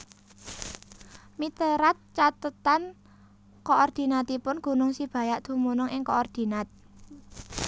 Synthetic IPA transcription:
mit̪əɾat̪̚t͡ʃat̪ət̪an | koʔɔrd̪̥i̤nat̪ipʊnɡ̥ṳnʊŋsib̥a̤jaʔd̪̥ṳmunʊŋɪŋkoɔrd̪̥i̤nat̪̚

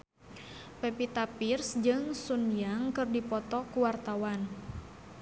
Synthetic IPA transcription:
pepit̪apirsd͡ʒɨŋsunjaŋkɨrdipɔt̪ɔkuwart̪awan

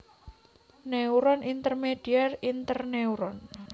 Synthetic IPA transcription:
newɾɔnʔint̪ərmed̥iarint̪ərneuɾɔn

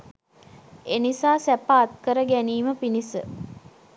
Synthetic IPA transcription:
enisaːsæpːaːt̪̚kəɾəɡæniːməpinisə

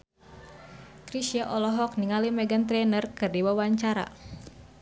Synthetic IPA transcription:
kɾisiaʔɔlɔɦɔk̚niŋalimɛɡant̪ɾɛnərkɨrdiwawaɲt͡ʃaɾa̰

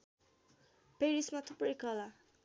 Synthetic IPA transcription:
peɾismat̪ʰuprʌjkʌla

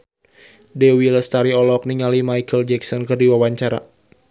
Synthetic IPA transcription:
dɛwiləst̪aɾiɔlɔk̚niŋalimajkəld͡ʒɛksɔnkɨrdiwawaɲt͡ʃaɾa̰

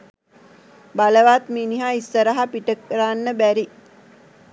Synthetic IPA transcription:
baləʋaːt̪miniɦaːisːəɾəɦapiʈəkɾanːəbæɾi

